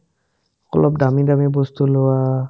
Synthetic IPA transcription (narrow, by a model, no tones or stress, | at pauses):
kɔ̰lɔp̚damidamibɔst̪ulowa